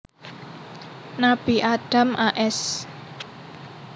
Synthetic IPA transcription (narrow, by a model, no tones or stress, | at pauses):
nab̥iʔaɖ̥a̤mʔaʔɛs